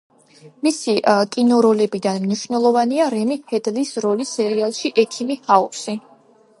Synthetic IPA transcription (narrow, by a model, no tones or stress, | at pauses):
misikʼinɔɾɔlɛbid̪anmniʃvnɛlˠɔvaniaɾɛmihɛd̪lisɾɔlisɛɾialˠʃiʔɛkʰimihaɔsi